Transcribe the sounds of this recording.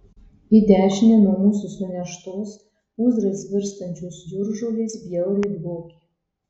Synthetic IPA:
id̪ʲæːʃʲɪnʲɛnuɔmuːsʊsʊnʲɛʃt̪oːs | uːzɾɐsbʲɪɾst̪ɐnʲt͡ʃʲuːsd̪uɾʒoːlʲeːsbʲjɛʊɾʲidɡoːkʲ

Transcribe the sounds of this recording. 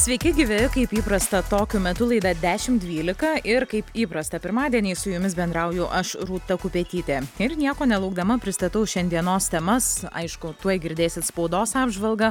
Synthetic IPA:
sʲʋʲɛɪkʲɪɡʲɪʋʲeːjɪkɐɪpiːpɾɐst̪ɐt̪oːkʲʊmʲɛt̪ʊlˠɐɪd̪ɐd̪ʲæːʃʲɪmd̪ʲʋʲiːlʲɪkɐʔɪɾkɐɪpiːpɾɐst̪ɐpʲɪɾmɑːd̪ʲiɛnʲiːsʊjʊmʲɪs̬bʲɛnd̪ɾɐʊjʊʔɐʃɾuːt̪ɐkʊpʲeːt̪ʲiːt̪ʲeːɪɾnʲiɛkoːnʲɛlˠɐʊɡd̪ɐmɐpʲɾʲɪst̪ɐt̪ɐʊʃʲɛnʲd̪ʲiɛnoːst̪ʲɛmɐsɐ̰ɪʃkʊt̪uɔjɡʲɪɾʲd̪ʲeːsʲɪt̪spɐʊd̪oːsɑːbʒʋɐlˠɡɐ

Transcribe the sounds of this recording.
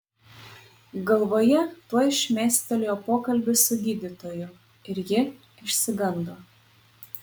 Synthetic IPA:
ɡɐlˠʋoːjɛt̪uɔɪʃʲmʲæːsʲt̪ʲɛlʲejoːpoːkɐlʲbʲɪsʊd̪ʲiːd̪ʲɪt̪oːjʊ | ɪɾjɪ | ɪʃʲsʲɪɡɐnd̪oː

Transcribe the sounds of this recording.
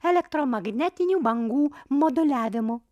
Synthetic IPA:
ɛlʲɛkt̪ɾomɐɡnʲɛt̪ʲɪnʲuːbɐŋɡuːmod̪ʊlʲæːʋʲɪmʊ

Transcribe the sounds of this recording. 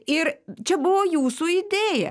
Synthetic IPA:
ɪɾt͡ʃʲɛbʊʋoːjuːsuːɪd̪ʲeːjɛ̰

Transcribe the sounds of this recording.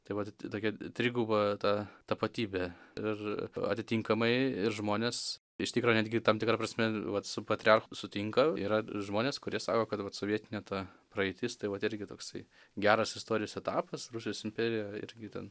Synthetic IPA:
t̪ɐɪʋɐt̪t̪oːkʲɛt̪ʲɾʲɪɡʊbɐt̪ɑːt̪ɐpɐt̪ʲiːbʲeːɪrɐ̰t̪ʲɪt̪ʲiŋkɐmɐɪɪɾʒmoːnʲeːs | ɪʃt̪ʲɪkɾoːnʲæːd̪ʲɡʲɪt̪ɐmt̪ʲɪkɾɑpɾɐsʲmʲɛʋɐt̪sʊpɐt̪ʲɾʲɪɑrxsʊt̪ʲɪŋkɐiːɾɐʒmoːnʲeːskʊɾʲiɛsɑːkoːkɐt̪ʋɐt̪soːʋʲiɛt̪ʲɪnʲɛt̪ɑːpɾɐɛɪt̪ʲɪst̪ɐɪʋɐt̪ɪɾʲɡʲɪt̪oːksɐɪ | ɡʲæːɾɐsɪst̪oːɾʲɪjoːsɛt̪ɑːpɐsɾrusʲɪjoːsɪmʲpʲeːɾʲɪjɛɪ̰ɾʲɡʲɪt̪ʲɛ̰n

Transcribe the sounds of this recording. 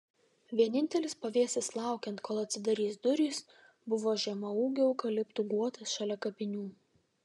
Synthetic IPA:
ʋʲiɛnʲɪnʲt̪ʲɛlʲɪspɐʋʲiɛsʲɪslˠɑˑʊkʲɛnt̪kʰoːlˠɐt̪ʲsʲɪd̪ɐɾʲiːsd̪ʊɾʲiːs | bʊʋoːʒʲɛmɐuːɡʲɛʊkɐlʲɪpt̪uːɡuɔt̪ɐsʃɐlʲɛkɐpʲɪnʲuː

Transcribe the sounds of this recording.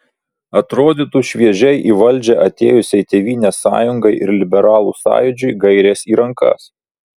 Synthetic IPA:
ɐt̪ɾoːd̪ʲiːt̪uːʃʲʋʲiɛʒʲɛɪʔiːʋɐlʲˑd͡ʒʲɛʔɐt̪ʲeːjʊsʲɛɪt̪ʲeːʋʲiːnʲeːsɑ̰ːjʊŋɡɐɪʔɪɾlʲɪbʲɛɾɑːlˠuːsɑ̰ːjʊd͡ʒʲʊɪɡɐɪɾʲeːsiːɾɐŋkɐ̰s

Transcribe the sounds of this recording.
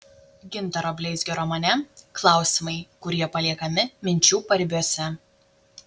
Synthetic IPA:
ɡʲɪnˑt̪ɐɾoːbʲlʲɛɪsʲɡʲɛɾoːmɐnʲɛklˠɑˑʊsʲɪmɐɪkʊɾʲiɛpɐlʲiɛkɐmʲɪmʲɪnʲt͡ʃʲuːpɐɾʲbʲuɔsʲɛ

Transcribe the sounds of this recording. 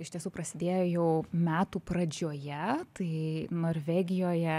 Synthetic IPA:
ɪʃt̪ʲiɛsuːpɾɐsʲɪd̪ʲeːjoːjɛʊmʲæːt̪uːprɐd͡ʒʲoːjɛt̪ɐɪnoːɾʲʋʲæːɡʲɪjoːjɛ

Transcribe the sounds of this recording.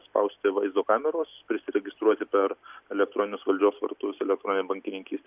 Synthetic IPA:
spɐ̰ʊsʲt̪ʲɪʋɐɪzd̪oːkɑːmʲɛɾoːspʲɾʲɪsʲɪɾʲɛɡʲɪst̪ɾuɔt̪ʲɪpʲɛɾɛlʲɛkt̪ɾoːnʲɪnʲʊsʋɐlʲd͡ʒʲoːsʋɐ̰ɾt̪ʊsɛlʲɛkt̪ɾoːnʲɪnʲbɐŋʲkʲɪnʲɪŋʲkʲiːst̪ʲ

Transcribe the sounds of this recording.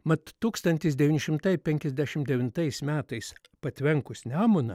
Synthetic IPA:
mɐt̪ːuːkst̪ɐnʲt̪ʲɪsd̪ʲɛʋʲiːnʲɪʃʲɪmt̪ɐɪpʲɛŋʲkʲɛzʲd̪ʲæʃʲɪmd̪ʲɛʋʲɪnt̪ɐɪsmʲæːt̪ɐɪs | pɐt̪ʲʋʲɛŋkʊsʲnʲæːmʊnɐ

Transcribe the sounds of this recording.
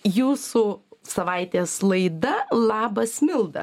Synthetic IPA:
juːsusɐʋɐɪt̪ʲeːslˠɐɪd̪ɐlˠɑːbɐsmʲɪlˠd̪ɐ̰

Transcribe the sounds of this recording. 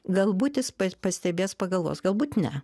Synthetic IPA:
ɡɐlˠbuːt̪ʲɪspɐpɐsʲt̪ʲɛbʲeːspɐɡɐlˠʋo̰ːsɡɐlˠbuːt̪nʲɛ

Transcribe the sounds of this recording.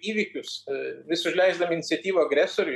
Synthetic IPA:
iːʋʲiːkʲʊsʋʲɪsʊʒʲlʲɛɪzd̪ɐmʲɪnʲɪtsʲɛt̪ʲiːʋoːɐɡɾʲæsoːɾʲʊ

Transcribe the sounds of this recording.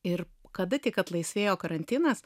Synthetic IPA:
ɪɾkɐd̪ɐt̪ʲɪkɐt̪lˠɐɪsʲʋʲeːjoːkɐɾɐnʲt̪ʲɪnɐs

